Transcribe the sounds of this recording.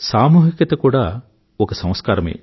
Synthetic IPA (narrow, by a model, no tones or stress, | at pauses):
saːmuːɦikjɐt̪ɐkuɽa | okɐsɐ̃w̃skaːɾɐmḛː